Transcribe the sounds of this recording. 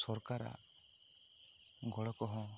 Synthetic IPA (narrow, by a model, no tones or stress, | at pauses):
sɔɾkaɾa̰ | ɡɔɭɔkɔɦɔ̃